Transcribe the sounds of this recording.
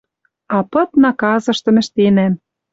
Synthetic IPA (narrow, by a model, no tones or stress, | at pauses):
ɑpɤ̆t̪nɑkɑzɤ̆ʃt̪ɤ̆mɘ̆ʃt̪enæm